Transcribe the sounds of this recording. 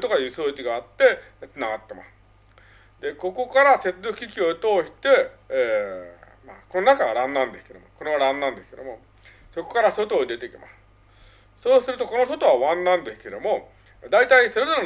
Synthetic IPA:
t̪o̞kajɯ̟ːsoːt͡ɕiɡaːt̪ːe̞t͡sɨnaɡat̪ːe̞ma̰sɨ̥ | d̪e̞ko̞ko̞kaɾase̞t͡sɨd̪okɯkʲikʲio̞t̪o̞ːɕi̥t̪e̞ː | ma̰ko̞nonakaβaɾãnːãnd̪e̞sɨ̥ke̞d̪omo̰ko̞ɾe̞βaɾãnːãnd̪esɨ̥ke̞d̪omo | so̞ko̞̥kaɾaso̞t̪oːd̪e̞t̪ekʲima̰sɨ̥ | so̞ːsɨɾɯ̟t̪o̞ko̞no̞so̞t̪o̞β̞aβãnːãnd̪e̞sɨ̥ke̞d̪o̞mo̞ | d̪ait̪aisoɾe̞d̪oɾa

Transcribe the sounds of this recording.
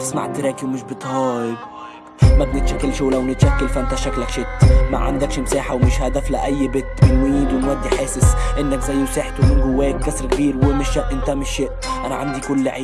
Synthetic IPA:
ɪsma̰ʕt̪ɾeːkiwmɪʃbɨt̪ˤhɑːjɪb | mabnɪt̪ʃakːalʃuːlawnɪt̪ʃakːalfaʔɪnt̪aʃaklakʃɪt̪ma̰ʕa̰nd̪akʃmsaːħawmɪʃhad̪aflaʔajːbɪt̪ːbɪlmiːd̪wɪnwad̪ːiħeːsɪsʔɪnːakzajːseːħt̪ʊmɪnɡʊwːeːkːasɾkbiːɾwɪmɪʃaʔʔɪnt̪amɪʃːɪʔ | ʔanaʕand̪ikʊlːʕeː

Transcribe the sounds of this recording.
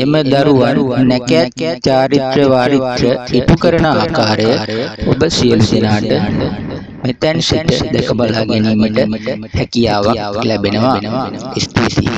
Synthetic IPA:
eməd̪aɾuʋanːɛkeɛt̪t͡ɕaːɾit̪ɾəʋaːɾit̪ɾəipukəɾənəaːkaːɾəjəobəsijəlud̪enaːʈə | met̪ɛnsiʈəd̪ɛkəbalaːɡeniːməʈəhɛkijaːʋaklæbenəʋaist̪ḭ

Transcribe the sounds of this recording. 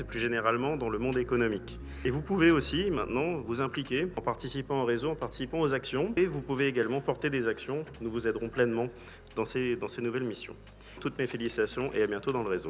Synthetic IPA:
sɛplyʒeneʁalmɑ̃d̪ɑ̃ləmɔ̃d̪ekɔnɔmik | evupuveosimɛ̃t̪nɑ̃vuzɛ̃plikʲeɑ̃paʁt̪isipɑ̃oʁezoɑ̃paʁt̪i̥sipɑ̃ozaksjɔ̃evupuveːɡalmɑ̃pɔʁt̪ed̪ezaksjɔ̃nuvuzɛd̪ʁɔ̃plɛnmɑ̃ | d̪ɑ̃sed̪ɑ̃senuvɛlmisjɔ̰̃ | t̪ut̪mefelisit̪asjɔ̃ʔḛabjɛ̃t̪od̪ɑ̃ləʁezo

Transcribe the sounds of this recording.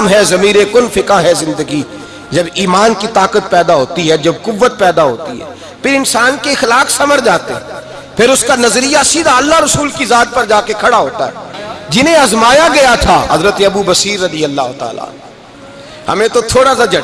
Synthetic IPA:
mɦɛzɐmiːɾekʊnfɪkaɦɛzɪ̃nd̪əɡi | d͡ʒɐbiːmaːnkit̪aːkət̪̚pɛːd̪aɦoːt̪iɦɛd͡ʒɐbkʊʋːət̪̚pɛːd̪aɦoːt̪ḭɦɛ̰ː | pʰɪɾɪnsaːnkexlaːksɐməɾd͡ʒaːt̪eɦɛ̃ | pʰɪɾʊskanɐzɾijasiːd̪ʱaɐlːaɾɐsuːlkizaːt̪̚pɐɾd͡ʒaːkekʰɐɽaɦoːt̪a̰ɦɛ̰d͡ʒɪnẽɐzmaːjaɡɐjat̪ʰaɦɐzɾət̪eɐbubɐsiːɾːɐd̪ijəlːaːɦʊt̪a̰ːla̰ːn | hɐ̰mẽt̪ot̪ʰoːɽasad͡ʒɐ

